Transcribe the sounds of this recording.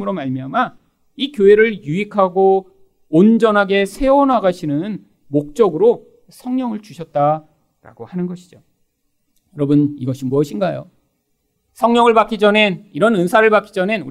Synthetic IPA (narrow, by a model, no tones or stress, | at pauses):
mɯɾomaɭmiama | ikjoe̞ɾɯɭjuikʰaɡoː | nd͡ʑʌnɦaɡe̞sʰe̞ʌnɦaɡaɕʰinɯn | mok̚t͡ɕ͈ʌɡɯɾo | sʰʌŋɲʌŋɯɭt͡ɕuɕʰʌt̚t͈a | ɾa̰ɡohanɯnɡʌɕʰid͡ʑo | jʌɾʌbɯniɡʌɕʰimuʌɕʰinɡajo̰ | sʰʌŋɲʌŋɯɭbak͈id͡ʑʌneniɾʌnɯnsʰaɾɯɭbak͈id͡ʑʌne̞nu